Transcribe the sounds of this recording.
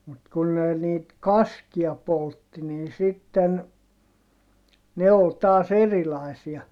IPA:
mut kun ne niːt kɑskiɑ poltːi nin sitːen ne ol tɑːs erilɑisiɑ

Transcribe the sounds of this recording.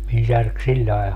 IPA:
min særk silʲːɑe

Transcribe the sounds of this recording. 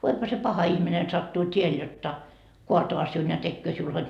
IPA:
ʋoiphɑ se pɑhɑ ihmine sɑtːuː tʲiel jotːɑ koɑtoɑ siun jɑ tekːøː siul hod

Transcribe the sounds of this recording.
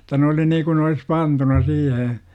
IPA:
tɑ ne oli niːkun ne olis pɑntunɑ siːhe

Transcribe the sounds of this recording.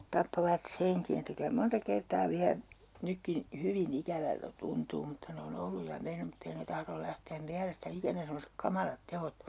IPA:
tɑpːoʋɑt seŋkin etːæ kylæ montɑ kertɑː ʋiæ nykːin hyʋin ikæʋæltæ tuntuː mutːɑ ne on olːuj jɑ menˑym mutː ei ne tɑhrol læhteːm miælestæ ikænæ semːosek kɑmɑlɑt teot

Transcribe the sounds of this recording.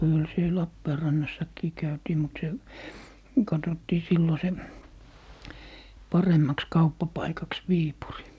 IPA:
kyl siel lɑpːeːrɑnːɑsːɑkːiː kæytiː mut se kɑtotːiː silːo se pɑremːɑks kɑupːɑpɑikɑks ʋiːpuri

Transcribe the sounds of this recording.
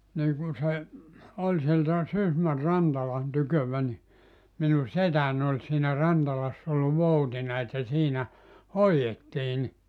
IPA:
niː kun se olʲ sieltæ sysmær̆ rɑntɑlɑn tykøʋæ ni minu setæn olʲ siːnæ rɑntɑlɑsː ol ʋoutinɑ etːæ siːnæ hoietːiː ni

